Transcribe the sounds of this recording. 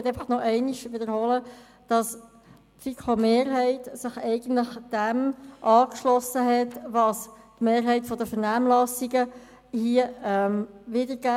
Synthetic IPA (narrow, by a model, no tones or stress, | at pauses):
ɛtɛɪfɑχnɔʔɛɪniʃʋɪdəɾhɔlə | d̥ɑs | tfikʰomeːɾɦɛɪtsɪχɛɪɡ̥ən̩tlɪχd̥ɛmʔɑːkʃlɔsəɦɛtʋɑstmeːɾɦɛɪtfɔdəfəɾnæːmlɑsiɡə | hiəɛmʋɪdəɾɡæ